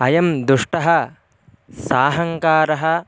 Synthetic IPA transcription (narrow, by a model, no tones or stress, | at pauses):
ɐjɐmd̪uʂʈɐɦɐ | saːɦɐŋkaːɾɐɦɐ